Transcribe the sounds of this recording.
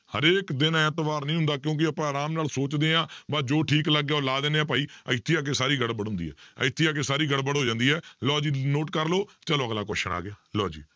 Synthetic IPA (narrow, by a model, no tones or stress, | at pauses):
həɾeːkd̪ɪnɛ̃ːt̪əʋaːɾnĩːɦʊ̃nd̪aːk̬jõːk̬ɪəpãːaːɾaːmnaːlsoːt͡ʃd̪eːãːbad͡ʒoːʈʰiːkləɡːjaːlaːd̪eːneːãːp̬aːiːə̰ɪt̪ʰːiãːk̬eːsaːɾiːɡəɽbəɽɦʊ̃nd̪ḭːɦɛ̰ːə̰ɪt̪ʰːiaːk̬eːsaːɾiːɡəɽbəɽɦoːd͡ʒãːnd̪iːɛːlɔːd͡ʒiːnoːʈkəɾloːt͡ʃəloːəɡlaːkɔ̰ːʃəna̰ːɡɪjaːlɔːd͡ʒḭː